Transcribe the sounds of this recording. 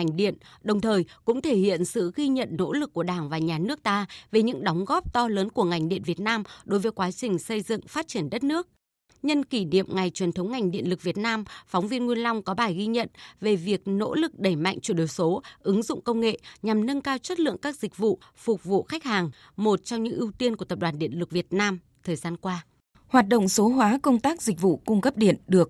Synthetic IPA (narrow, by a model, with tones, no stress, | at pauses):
ŋ̟ɗḭ˧˨ənɗə˨˩wŋ͡mt̪ʰəː˨˩jkʊ̰˧˥ŋ͡mt̪ʰe˧˩hḭ˧˨ənsɨ̰˧˨ɣi˧ɲə̰˧˨nːo̰˧˥lɨ˨˩kːu˧˩əɗaː˧˩ŋvaː˨˩ɲaː˨˩nɨ˦˥ək̚t̪aː˧ve˨˩ɲɨ̰˧˥ŋɗɔ˨˦wŋ͡mɣɔ˦˥p̚t̪ɔ˧ləː˨˦nku˧˩əŋa˨˩jŋ̟ɗḭ˧˨ənvi˨˩ət̚naː˧mɗo˨˦jvəː˨˦jkwaː˨˦t͡ɕï˨˩ŋ̟sə˧jzɨ̰˧˨ŋfaː˦˥t̚t͡ɕi˧˩ənɗə˦˥t̚nɨ˦˥ək̚ | ɲə˧nki˧˩nḭ˧˨əmŋa˨˩jt͡ɕwi˨˩nt̪ʰə˨˦wŋ͡mŋa˨˩jŋ̟ɗḭ˧˨ənlɨ˨˩k̚vi˨˩ət̚naː˧mfɔ˨˦wŋ͡mvi˧ənŋwi˧ənla˧wŋ͡mkɔ˨˦ɓaː˨˩jɣi˧ɲə̰˧˨nve˨˩vi˨˩ək̚no̰˧˥lɨ˨˩k̚ɗe˧˩ma̰˧˨ŋt͡ɕwu˧˩ɗo˨˩jso˨˦ʔɨ˨˦ŋzʊ̰˧˨ŋ͡mkə˧wŋ͡mŋḛ˧˨ɲa˨˩mnə˧nkaː˧wt͡ɕə˦˥t̚lɨ̰˧˨əŋkaː˦˥k̚zï˨˩k̟̚vṵ˧˨fʊ˨˩k͡p̚vṵ˧˨xa˦˥k̟̚haː˨˩ŋ | mo˨˩t̚t͡ɕɔ˧ŋ͡mɲɨ̰˧˥ŋʔi˧əwt̪i˧ənku˧˩ət̪ə˨˩p̚ɗwaː˨˩nɗḭ˧˨ənlɨ˨˩k̚vi˨˩ət̚naː˧m | t̪ʰəː˨˩jzaː˧nkwaː˧ | hwaː˨˩t̚ɗo̰˧˨wŋ͡mso˨˦ɦwaː˨˦kə˧wŋ͡mt̪aː˦˥k̚zi˨˩k̟̚vṵ˧˨kʊ˧ŋ͡mkə˦˥p̚ɗi˧˨ənɗɨ˨˩ək̚